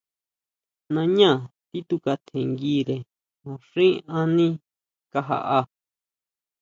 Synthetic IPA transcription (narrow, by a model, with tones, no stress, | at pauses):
nã˧ɲã˦˨t̪i˦t̪u˧ka˧t̪ʰẽ˨ŋɡi˦ɾe˨ | mã˨ʂĩ˦ã˧nĩ˦ | ka˧ɦa̰˧ʔa˧